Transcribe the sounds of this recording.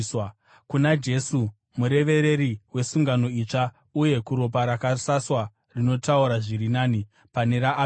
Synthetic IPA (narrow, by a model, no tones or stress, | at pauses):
kunad͡ʒe̞su | muɾe̞ʋe̞ɾe̞ɾiwe̞suŋɡano̞it͡ʂa | uje̞kuɾo̞p̬aɾakasaswa | rino̞tauɾaʐiɾinaːni | pane̞ɾaʔː